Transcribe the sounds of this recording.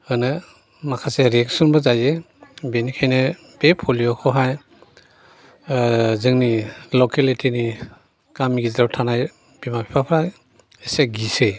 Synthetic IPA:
ɯnɯ | makʰaseɾieksɔnbɯzajze | benikʰajnɯ | b̥epʰɔliɔkʰɔɦaj | zɯŋnilɔkelitʰini | kamiɡidɾawtʰanaj | bimapʰipʰapʰɾa | eseɡise

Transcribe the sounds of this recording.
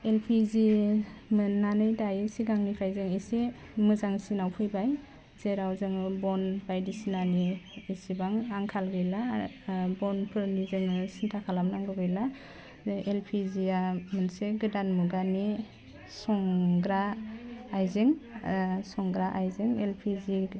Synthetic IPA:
elpʰizimɯnːanɯjdajisiɡaŋnipʰajzeŋisi | mɯzaŋsinawpʰɯjbaj | z̥eɾawzɯŋbɔnbajdisinaniːsibaŋaŋkʰalɡɯjla | bɔnpʰɯɾnizɯŋɯsintʰakʰalamnaŋɡɯɡɯjla | elpʰiziamɯnseɡɯdanmuɡani | sɔŋɡɾaː | jzeŋ | sɔŋɡɾaʔajzeŋelpʰizi

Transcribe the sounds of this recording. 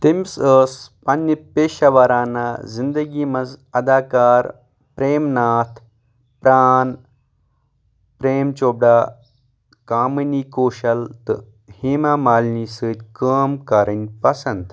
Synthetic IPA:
t̪imʲsəːspɐnːɐpeːʃɐʋɐɾaːnaːzind̪əɡiːmɐzɐd̪aːkaːɾ | pɾeːmnaːt̪ʰ | pɾaːn | pɾeːmt͡ʃoːb̚ɖaː | kaːmɨniːkoːʃɐlt̪ɨ̰ | hiːmamaːlniːsɨːd̪ʲkəːmkaɾɐnʲpɐsɐnt̪

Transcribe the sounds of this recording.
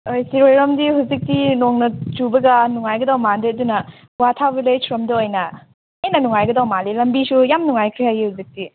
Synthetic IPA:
ojsiɾojɾɐmdiɦuzik̚tinoŋnɐt͡ʃubɐɡɐnuŋajɡɐdawmandeɐdunɐ | watʰabilejsɾomdɐojnɐ | ejnɐnuŋajɡɐdawmalilɐmbisujamnuŋajkʰɾijaɡihuzik̚ti

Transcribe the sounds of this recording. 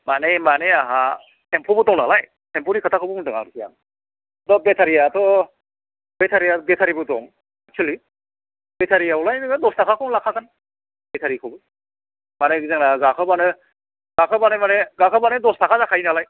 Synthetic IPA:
manemaneaɦa | sʰempʰɔbɯtɔŋna̰laj | tʰempʰɔɾikʰatʰakʰɯbɯmuntɯŋa̰ɾsʰija̰m | tɔbetʰaɾijatʰɔ | betʰaɾijatɔɡetʰaɾibɯtɔ̰ŋ | ak̚t͡ʃʰali | betʰaɾijaɔlajnɡɯdɔstʰakʰakʰɔɔŋlakʰakan | bɛtʰaɾikʰɔbɯ | maneɡzaŋnaɡakʰɯbanɯ | ɡ̥akʰɯbanemaneɡakʰɯbanedɔstʰakʰazakʰajnalaj

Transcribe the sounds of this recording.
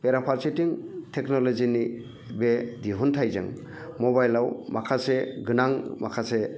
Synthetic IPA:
peɾapʰaɾsetiŋtʰeknolozini | bediɦuntʰajza̰ŋ | mobajlawmakʰaseɡɯnaŋma̰kʰase

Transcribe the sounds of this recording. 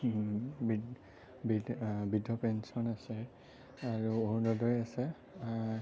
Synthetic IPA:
bi | bibidɔpɛnsɔnasɛ | aɹuonɔdɔjasɛ

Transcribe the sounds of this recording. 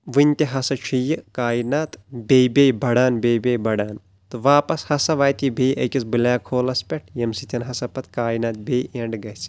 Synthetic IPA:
ʋɨnʲt̪ʲeɦɐsɐt͡ʃʰijikaːjinaːt̪bʲejbʲeːjbɐɽaːnbʲeːjbʲeːjbɐɽaːn | t̪ɨʋaːpɐshɐsɐʋaːjt̪ʲibʱeːjʔɐ̰kʲisbɨlaːkʰoːlɐspʲeʈʰjɐmsit̪ʰʲɐnɦɐsɐpɐt̪kaːjinaːt̪̚bʱeːjʔeɳɖɡɐt͡s

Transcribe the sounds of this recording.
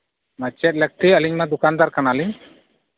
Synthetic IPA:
mət͡ʃɛt̪̚ˀlɛk̚t̪ʰiəliɲmad̪ukand̪aɾkanaəliɲ

